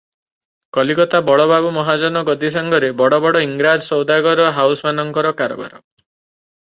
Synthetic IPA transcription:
kɔlikɔt̪abɔɭɔbabumɔɦad͡ʒɔnɔɡɔd̪is̬aŋɡɔɾebɔɽɔbɔɽɔiŋɡɾad͡ʒsɔwd̪aɡɔɾɔɦawsmanɔŋkɔɾɔkaɾɔ̰ba̰ɾɔ

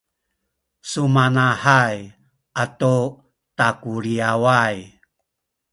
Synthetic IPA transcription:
sumanaħaj | ʔatu | takuɾiawaj

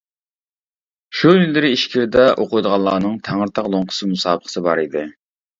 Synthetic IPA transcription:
ʃujylːɪɾɪiʃkʲʰiɾɪd̪ɛʔoqʊjd̪əʁɑlˠɑːnɨŋt̪ʰæŋəɾt̪ʰɑqlˠoŋqʰʊ̥sɨmusɑːbəχə̥sɨbɑɾid̪ɪ

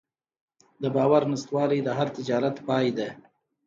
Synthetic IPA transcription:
d̪əbɑwaɾnɪst̪wɑlid̪əɦaɾt̪ɪd͡ʒɑɾat̪pɑjd̪e

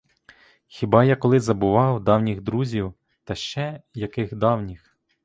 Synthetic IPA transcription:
xʲibɑjakɔlˠɪzɐbʊʋɑwd̪ɑwnʲiɣd̪ɾuzʲiw | t̪ɐʃt͡ʃɛjɐkɪxd̪ɑwnʲix

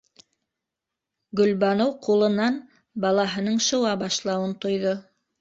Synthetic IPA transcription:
ɡɵ̆lβɑnowqulˠɤ̆nɑn | bɑlˠɑɦɤ̆nɤɴʃɤ̆wɑbɑʃlˠɑwɤnt̪ŏjðo

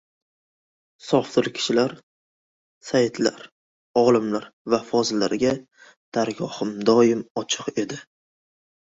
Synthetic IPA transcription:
sɒft̪ɨɾkʲʰɪ̥ʃɪlaɾ | sajt̪ʰla̰ɾ | ɒlˠɪmlaɾvafɒzɪlːaɾɪɡʲa | d̪̥aɾɡʲɒhɪmd̪ɒɪmɒt͡ʃʰɨqe̞d̪ɪ

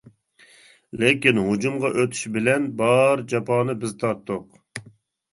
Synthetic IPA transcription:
lɪkʲinɦud͡ʒumʁɑʔøt̪ʰy̥ʃbɪlɛnbɑɾd͡ʒɑpɑːnɨbɪzt̪ʰɑt̪ːʊq

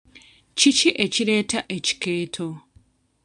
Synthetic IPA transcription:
t͡ʃit͡ʃiʔet͡ʃiɾeːtʰaʔeci̥keːtʰo

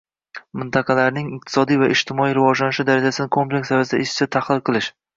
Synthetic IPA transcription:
mɪnt̪ʰɑqʰɑlaɾnɪŋɪq̚t̪ʰɪ̥sɒd̪ijvaʔɪd͡ʒt̪ʰɪmɒijɾɪvɒd͡ʒlanɪʃɪd̪aɾad͡ʒasɪnɪkʰo̞mplʲekʲsavasɪd̪a̰ɪʃɪ̥t͡ʃat̪ʰaχlˠɪlˠqʰɨlˠɪʃ

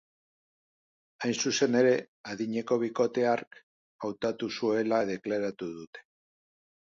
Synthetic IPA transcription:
ajnsuse̞ne̞ɾe̞ | aðiɲe̞ko̞β̞iko̞t̪e̞aɾk | awt̪at̪usue̞laðe̞klaɾat̪uðut̪e̞̥

